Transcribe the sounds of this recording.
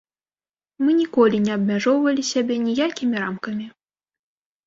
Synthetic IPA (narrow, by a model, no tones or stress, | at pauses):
mɨnʲikɔlʲinʲɛɐbmʲaʐɔwvɐlʲisʲabʲɛnʲijakʲimʲiɾamkɐmʲi